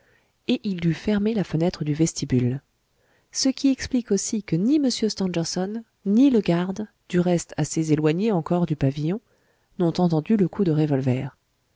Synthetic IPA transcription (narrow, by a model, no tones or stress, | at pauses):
eʔild̪yfɛʁmelafənɛt̪χəd̪yvɛst̪ibyl | səkʲiɛksplikosikəniməsjøst̪ɑ̃ʒɛʁsɔnː | iləɡaʁd̪ | d̪yʁɛst̪ʰasezelwaɲeɑ̃kɔʁd̪ypavijɔ̃ | nɔ̃t̪ɑ̃t̪ɑ̃d̪yləkʰud̪əʁevɔlvɛːʁ